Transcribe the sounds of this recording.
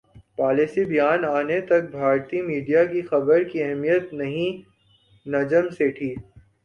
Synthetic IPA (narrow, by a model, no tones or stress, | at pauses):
paːlisibijaːnaːnet̪ɐk̚bʱaːɾt̪imiːɖijakixɐbəɾkiɛɦmijət̪nɐɦĩ | nɐd͡ʒəmseʈʰiː